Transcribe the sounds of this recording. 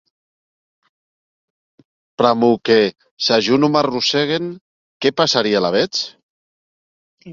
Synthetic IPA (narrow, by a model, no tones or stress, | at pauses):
pɾamuke | saʒunumaruseɣen | kepasaɾialaβet͡s